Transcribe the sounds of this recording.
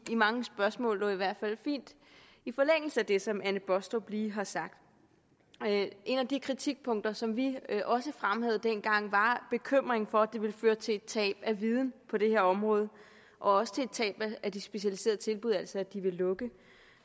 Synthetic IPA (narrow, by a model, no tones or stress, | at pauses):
imɑ̈ŋəsb̥ɶɐsmɔ̰̽ːlʋɒiʋæɐ̰d̥fæl̰fḭːnd̥ | ifɒ̽leŋ̰l̩səæd̥e̝sɒ̽mʔænəb̥ɒ̽sd̥ɒb̥liːɦɑ̈sɑ̈ɡ̥̚d̥ | e̝næd̥ikʰʁit͡sʰiɡ̥̚pʰɔ̽ŋ̰d̥ɐsɒ̽mʋiʔɒ̽səfʁamhæð̞̩ˠəd̥enɡ̥ɑ̈ŋ̰ʋɑ̈b̥e̝kʰøm̰ʁeŋfɒ̽ædd̥e̝ʋe̝lføːɐt͡sʰe̝e̝d̥̚t͡sʰɛ̰ːb̥æʋiːð̞ˠn̩pʰɒ̽d̥e̝he̝ɐɒ̽mʁɔ̽ːð̞ˠ | ʔɒ̽ɒ̽sə̥t͡sʰe̝ed̥̚t͡sʰɛ̰ːb̥ææd̥isb̥e̝ɕælise̝̰ɐðˠt͡sʰe̝lb̥uð̞ˠælsɒæ̥d̥iʋe̝lːɔ̽ɡ̥ə